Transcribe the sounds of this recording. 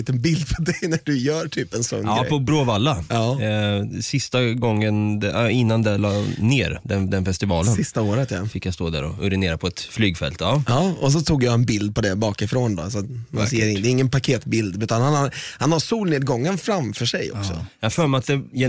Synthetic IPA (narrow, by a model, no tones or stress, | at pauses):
iːt̪ənbɪld̪̚pʰɔd̪ɛjnæɖɵjœːɾʈʰyːpɛnsɔ̰nːɾɛ̰ɔbɾoːvalːaɑː | sɪst̪aɡɔŋːənd̪ɛɪnːand̪ɛlɑːneːɾd̪ɛnd̪ɛnfɛst̪ɪvɑːlənsɪst̪aoːɾət̪ja̰fɪkːjast̪oːd̪æ̰ɾɔ̰ɵɾɪneːɾapʰɔɛt̪flyːɡfɛ̰lt̪ɑɑːɔs̬ɔt̪ʰuːɡjaɛnbɪld̪̚pʰɔd̪ɛbɑːkɪfɾoːnd̪ɔ̰s̬at̪manseːəɾɪd̪ɛɾɪŋːənpakʰeːt̪bɪld̪ʉ̟ːt̪anhanhaɾhanhaɾsuːlneːd̪̚ɡɔŋːənfɾamfœʂɛjɔ̰ksɔ̰jafœːɾmɛat̪̚d̪ɛ